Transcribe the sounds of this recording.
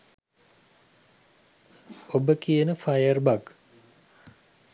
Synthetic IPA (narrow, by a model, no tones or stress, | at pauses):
obəkijənəfajərbak